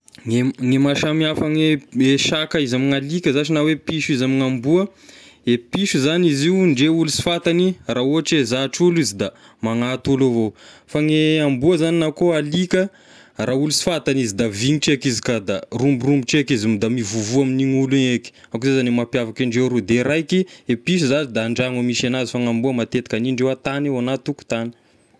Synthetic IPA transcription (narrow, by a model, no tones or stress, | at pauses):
ŋeŋemaʃamiafaŋeeʃakaizamiŋalikʲəzat͡ʃinawepiʃuizamiŋambuəepiʃuzaniziuɳɖ͡ʐeulusi̥fat̪aniraoaʈ͡ʂezaʈ͡ʂulizid̪a | maŋat̪ulovofaŋeambuəzaninakoalikə | raulusi̥fat̪anizid̪aviŋiʈ͡ʂekizi̥kad̪arumbirumbiʈ͡ʂekizimd̪amivuvuaminiŋulueki̥ | akuzezanemapjavakiɳɖ͡ʐewɾud̪eɾajkiepiʃ̬uzazid̪aːɳɖ͡ʐaŋamiʃanazifaŋambuəmat̪et̪ḁkaniɳɖ͡ʐewat̪anewanat̪uku̥t̪ani̥